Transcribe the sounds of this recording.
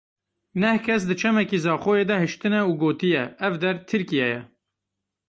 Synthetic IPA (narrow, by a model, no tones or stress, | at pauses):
nɛhkʰɛsd̪ɨt͡ʃʰɛmɛkiːzɑːxoːjeːd̪ɛhɨʃt̪ɨnɛuːɡoːt̪ɨjɛɛvd̪ɛɾt̪ʰɨɾkijɛjɛ